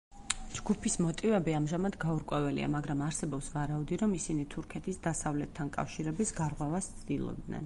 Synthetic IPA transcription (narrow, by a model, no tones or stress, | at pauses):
d͡ʒɡupʰismɔt̪ʼivɛbiamʒamad̪ɡauɾkʼwɛvɛlḭa̰maɡɾamaɾsɛbɔpsvaɾaud̪iɾɔmisinit̪ʰuɾkʰɛt̪ʰisd̪asavlɛt̪ʰːankʼa̰fʃiɾɛbisɡaɾʁwɛvast̪sʰd̪ilˠɔ̰b̚d̪nɛ̰n